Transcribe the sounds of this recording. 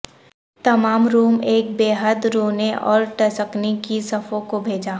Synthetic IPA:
t̪ɐmaːmɾuːmeːk̚beːɦəd̪ɾoːneʔɔ̰ːɾʈɐsəknikisɐfʰõkobʱeːd͡ʒaː

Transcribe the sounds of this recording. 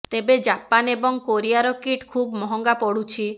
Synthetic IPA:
t̪ebed͡ʒapanebɔŋkoɾijaɾɔkiʈkʰubmɔɦɔŋɡapɔɽut͡ʃʰi

